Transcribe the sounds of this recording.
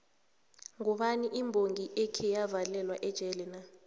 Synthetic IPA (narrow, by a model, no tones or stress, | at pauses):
ŋɔɓaniʔimbʱoŋiʔɛkʰɛjavalɛlwaʔɛd̥ʒ̥ʱɛlɛna